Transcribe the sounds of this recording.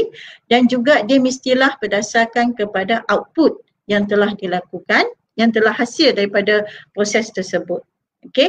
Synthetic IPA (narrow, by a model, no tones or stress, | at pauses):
dand͡ʒuɡadiəmist̪ilahpərdasakankəpadaʔawt̪̚put̪̚ | jaŋt̪əlahdilakukan | jaŋt̪əlahːasɪldaɾipadapɾosɛst̪əsəbʊt̪̚ | ʔoke